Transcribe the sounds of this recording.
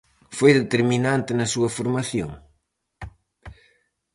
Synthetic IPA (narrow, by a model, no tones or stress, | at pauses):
fojðet̪eɾminant̪enɐsuɐfoɾmaθjo̰ŋ